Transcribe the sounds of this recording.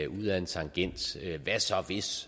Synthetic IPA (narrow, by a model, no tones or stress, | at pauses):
uð̰ˠæe̝nt͡sʰɑ̈ŋɡ̥en̰d̥øʋæsɒ̽ʋe̝s